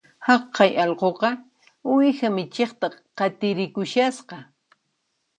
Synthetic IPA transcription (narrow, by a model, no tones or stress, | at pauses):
hɑqʰːɑjʔɑlqoqɑ | ʊwɪxamɪt͡ʃeχt̪aqɑt̪ɪɾɪkʊʃasqɑ